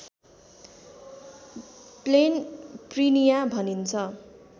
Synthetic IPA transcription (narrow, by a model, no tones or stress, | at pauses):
plenprinijabʱʌnint͡sʰʌ